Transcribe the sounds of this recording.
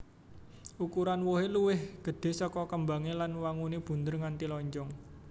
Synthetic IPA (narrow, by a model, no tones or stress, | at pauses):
ʔukuɾanwoɦeluwɪhɡ̥ə̤ɖ̪̥e̤sɔkɔkəmbaŋelanwaŋuneb̥ṳnd̪ərŋant̪ilɔɲd͡ʒɔŋ